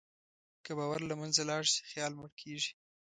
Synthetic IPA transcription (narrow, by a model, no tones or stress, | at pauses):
kəbɑwaɾlamanzalɑɽsi̥xjɑlməɽkʰeʐi̥